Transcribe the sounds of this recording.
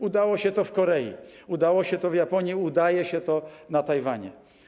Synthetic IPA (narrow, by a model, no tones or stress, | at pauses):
ud̪awɔɕɛt̪ɔfkɔɾɛjḭud̪awɔɕɛt̪ɔvjapɔɲjiud̪ajɛɕɛt̪ɔnat̪ajvaɲɛ̰